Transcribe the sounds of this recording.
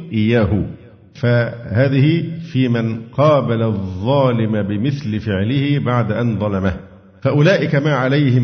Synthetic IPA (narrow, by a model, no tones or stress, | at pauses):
ʔɪjːaːɦʊ | fahaːðɪhɪfiːmanqɑːbalaðˤːɑːlɪmabɪmɪθlɪfɪʕlɪhɪbaʕd̪aʔanðˤɑlɑmah | faʔʊlaːʔɪkamaːʕalajhɪm